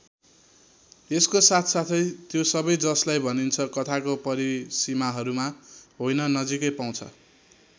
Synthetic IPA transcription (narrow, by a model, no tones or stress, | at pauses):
eskosat̪ʰsat̪ʰʌjt̪josʌbʌjd͡zʌslajbʱʌnint͡sʰʌkʌt̪ʰakopʌɾisimaɦʌɾumaɦojnʌnʌd͡zikʌjpaw̃t͡sʰʌ̰